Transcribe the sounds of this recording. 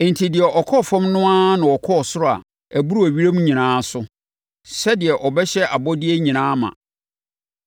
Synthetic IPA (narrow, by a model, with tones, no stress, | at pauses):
n̩tʰi˨dɪ˨ɛ˨ʔɔ˨kʰɔ˦˨fɔ̃˦mnʊ̃˦ã˦nʊ̃˨ɔ˨kʰɔ˦˨sʊ˦ɾɔ˦a̰˨ | æ˨bu˦ɾu˦æ˨ɥi˦ɾe˦mũ˦ɲĩ˨nãː˨˦sʊ˦ | sɛ˦dɪ˨ɛ˨ʔɔ˨bɛ˦ɕɛ˦ʔa˨bɔ˦dɪ˦e˦ɲĩ˨nãː˦mã̰˨